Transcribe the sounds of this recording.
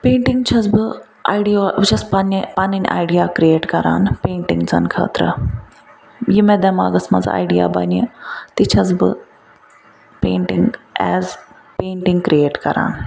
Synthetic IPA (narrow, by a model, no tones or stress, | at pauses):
peːɳʈiŋɡt͡ʃʰɐzbɨ | a̰jɖijoʋt͡ʃʰɐspɐnpanɐnʲʔa̰ːjɖijakɾieːʈkɐɾaːnpeːɳʈiŋɡt͡sɐnkʰɐ̰ːt̪ɾɐ̰ | jimɛd̪ɛma̰ːɡɐsmɐd͡za̰ːjɖija̰bɐnet̪it͡ʃʰɐzbɨ̰ | peːɳʈiŋɡɛːz | peːɳʈiŋɡkɾieːʈkɐɾa̰ːn